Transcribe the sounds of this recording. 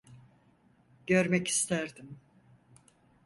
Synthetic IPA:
ɟ̥øɾmɛci̥st̪ʰæɾd̪im

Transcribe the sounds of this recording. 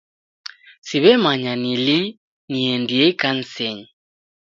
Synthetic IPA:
siβɛmaɲanili | niɛndiɛkan̩sɛɲi

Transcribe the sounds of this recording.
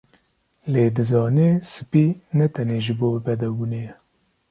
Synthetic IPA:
leːd̪ɨzɑːnesɨ̥pinɛt̪ʰɛneːʒɨboːbɛd̪ɛbunejɛ

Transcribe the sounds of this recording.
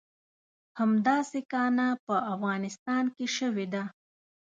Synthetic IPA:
hamd̪ɑsekɑnapəʔafɣɑnɪst̪ɑnkeʃəwed̪a

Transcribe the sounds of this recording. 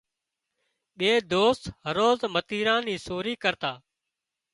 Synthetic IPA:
ɓeːd̪oːst̪ɦəɾoːzmət̪iːɾãːniːsoːɾiːkəɾt̪aː

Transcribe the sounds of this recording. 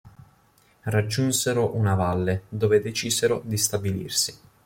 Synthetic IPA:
rad͡ʒːunseɾoʔunavalːed̪oːved̪et͡ʃiːzeɾod̪ist̪abilḭrsi̥

